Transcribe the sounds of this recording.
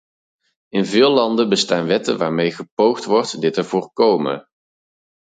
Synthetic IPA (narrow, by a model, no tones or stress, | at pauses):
ɪnvɪːlɑndəbəstaːnʋɛtə̰nʋaːɹmejχəpowχtʋɔrtdɪtəɹv̥ʊːɹkowmə̰